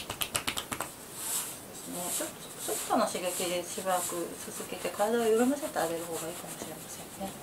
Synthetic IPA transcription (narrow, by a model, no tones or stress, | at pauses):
soːd̪e̞sɨne̞t͡ɕot̪ːosot̪t̪oanaɕiɡakid̪e̞ɕibaɾakɯ̟sɨzɨɡe̞t̪e̞kaɾad̪aojoɾɯmaset̪eaɡe̞ɾɯ̟ho̞ːɡaiːkamo̞ɕiɾe̞masẽ̞nːe̞